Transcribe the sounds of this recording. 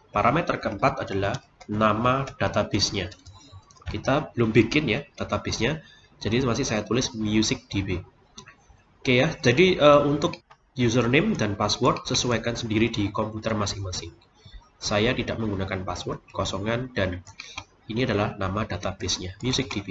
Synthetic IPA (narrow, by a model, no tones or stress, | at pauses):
paɾʔamet̪ərkəmpat̪adalah | namad̥at̪abɪsɲa | kit̪ab̥əlʊmbikɪnjad̥at̪ab̥ɪsɲa | d͡ʒadimasɪhsajat̪ulɪsmjusɪk̚d̪̥ibi | kejad͡ʒadiəunt̪ʊk̚ | jus̬ərnɪmdanpaswɔrt̪̚səsuwajkansəndiɾidikɔmput̪ərmasɪŋmasɪŋ | sajat̪idaʔməŋɡunakanpaswɔrt̪̚kɔsɔŋand̥an | iniadalahnamad̥at̪ab̥ɪsɲamjusɪk̚d̥ibi